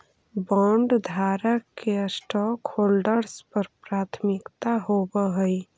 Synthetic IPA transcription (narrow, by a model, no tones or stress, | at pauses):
bɔ̃ɳɖd̪ʱaɾəkːesʈɔkholɖəɾspəɾpɾat̪ʰmikt̪aɦobəɦəj